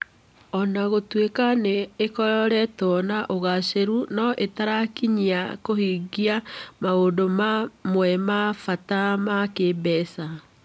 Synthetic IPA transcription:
ɔnaɣotwekaneːkɔɔɾɛtɔnaʔoɣaseɾunɔʔetaɾakiɲiakohiɡiamaodomamwɛmafatamakebɛsa

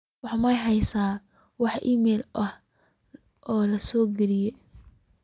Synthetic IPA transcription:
wɑħmɐjɦɛjsaː | wɑħʔḭmɛːlʔɐh | ʔɔːlɐsɔːɡɐɾɪjɛ

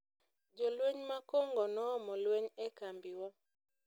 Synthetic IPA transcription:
d͡ʒɔlweɲmakoŋɡɔnɔɔmɔlweɲɛkambiwɔ

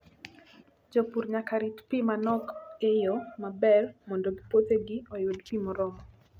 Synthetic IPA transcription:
d͡ʒopuɾɲakaɾitpimanɔkejomabɛlmɔndɔɡipot̪eɡɪɔjodpimɔɾɔmɔ

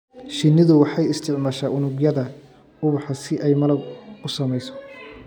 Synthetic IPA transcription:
ʃɪnːɪðʊwɑħɑjɪst̪ʰɪʕmaːʃaːʔʊnʊɡjɐðɐ | ʊβʊħɑsɪʔɛjmɐlɐɡʊsɐmɛjsɔ̥

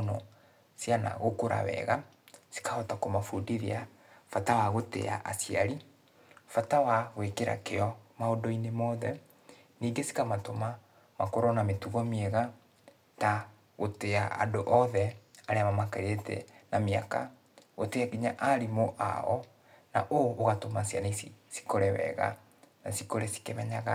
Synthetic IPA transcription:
nɔ | sjana̰ɣokoɾa̰wɛ̰ɣa | si̥kaɔtakomafudiɾea | fatawaɣotḛa̰ʔa̰siaɾi | fatawaɣwekeɾa̰keɔmaodɔinemɔðɛ | niːɡesi̥kamatoma | makoɾɔnametuɣɔmieɣa | ta | ɣotea̰a̰doʔɔðɛaɾeamamakaɾetɛ̰namea̰ka̰ | ɣoteaɡiɲaʔaɾimoʔa̰ɔ | na̰ʔoːɣatomaːsia̰nesisi̥koɾɛwɛ̰ɣa̰ | nasikoɾesi̥kemɛɲaɣa

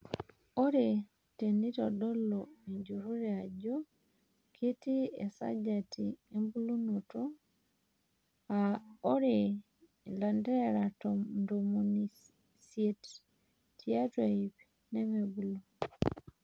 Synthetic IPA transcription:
oɾe | tenitɔdɔlɔiɲd͡ʒuɾuɾɛad͡ʒɔ | kʰetiḛsa̰d͡ʒatiembulunotɔ | aoɾe | landɛɾatɔndomoni | sjet | tiatweip | nɛmɛbulo

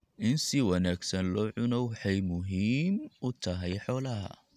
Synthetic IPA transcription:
ʔɪnsɪwɐnaːɡsɐnlɔːʕʊnɔwħɛjmʊɦiːmʊt̪ʰɐɦɛjħɔːlɐɦɐ̰

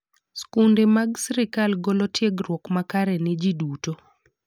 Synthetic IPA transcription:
skundemaɡsɾɪkalɡolotjeɡrwɔkmakaɾɛnɪd͡ʒiduto

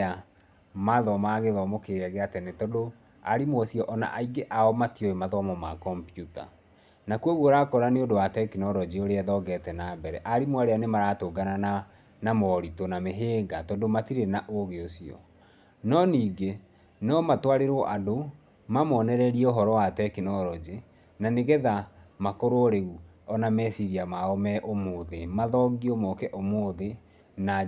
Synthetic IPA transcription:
a | maðɔmaːɣeðɔmokeɛɣeatɛnetɔdo | a̰ɾimwɔsiɔʔɔna̰ʔaiɡeʔaɔmatioemaðɔmɔmakɔmpijuta̰ | nakuoɣuoɾakɔɾaneondowatɛkinɔɾɔd͡ʑioɾeɛðɔɡɛtɛnabɛɾɛʔaɾimwaɾeanemaɾatoɡanana | namɔɾitonameɦeːɡatɔdomatiɾenaʔoɣeosiɔ̰ | nɔniːɡe | nɔmatwaɾeɾoʔado | mamɔːnɛɾɛɾiɛoɦɔɾɔwatɛkinɔɾɔd͡ʑe | naneɣɛðamakoɾoɾeɣu | ɔnamɛsiɾiamaɔmɛʔomoðemaðɔɡiomɔkɛʔomoðe | na

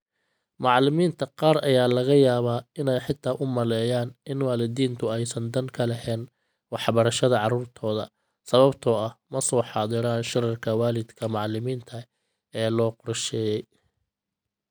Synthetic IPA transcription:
mɑʕlɪmiːnt̪ʰɐqɑːɾɐjaːlɐɣɐjaːβaːɪnɛjħɪt̪ʰːaːʔʊmɐlɛːjaːnɪnwɑːlɪd̪iːnt̪ʰʊɛjsɐnd̪ɐŋkʰɐlɛhɛːn | wɑħbɐɾɐʃɐðɐʕɑruːrt̪ʰɔːðɐ | sɐβɐbt̪ʰɔːɐhmɐsɔːħɑːðɪɾaːnʃɪrɐrkʰɐwaːlɪd̪kʰɐmɑʕlɪmiːnt̪ʰɐ | ɛːlɔːqʊɾʃɛːjɛj

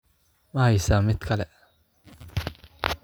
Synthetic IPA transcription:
maisamit̪kʰalɛ

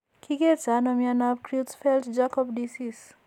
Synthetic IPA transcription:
kʰiɡetanɔmianabkɾutfɛltd͡ʒakɔbdisis

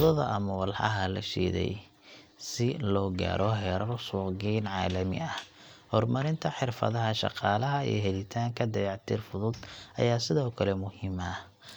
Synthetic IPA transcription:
ðɔðɐ̰ʔɐmɐwɑlħɑ̰ɦɐlɐ̰ʃḭːðɛ̰j | sɪlɔːɡa̰ːɾʔɔɦɛːɾɐrsuːqɡɛjnʕɑːlɐmɪ̰ɐh | hɔrmɐɾɪnt̪ʰɐħɪrfɐ̰ðɐɦɐʃɑ̰qɑːlɐɦɐḭjɔɦɛlɪt̪ʰaːŋkʰɐd̪ɐjɑʕt̪ʰiːrfʊðʊd̪ʔɐ̰jaːsɪðɔːkʰɐlɛmʊhɪmɐ

